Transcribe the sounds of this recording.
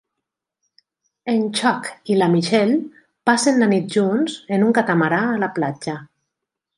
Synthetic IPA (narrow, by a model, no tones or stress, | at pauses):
ent͡ʃɔkilamiʃɛl | pasenlanit̪̚ʒunzenuŋkat̪amaɾaːlaplad͡ʒa